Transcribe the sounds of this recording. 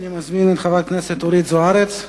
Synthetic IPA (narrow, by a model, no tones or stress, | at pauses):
nimazminɛt̪χavat̚knɛset̪oɾit̪zoaɾet͡s̪